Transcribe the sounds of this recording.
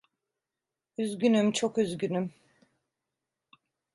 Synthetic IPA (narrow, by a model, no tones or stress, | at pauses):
yzɟʲynymt͡ʃʰokyzɟʲynym